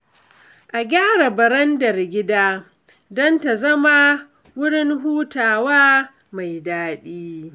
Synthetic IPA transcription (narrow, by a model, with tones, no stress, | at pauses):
ʔa˨ɡʲaː˦ɽa˨bɐ˨ɾɐ˦ndɐ˨rɡʲɪ˦daː˦ | dɔ˦nta˨zɐ˦ma˦ | wʊ˦ɽɪ˦ŋɦuː˦taː˨waː˦ | ma˨jdaː˦ɗiː˦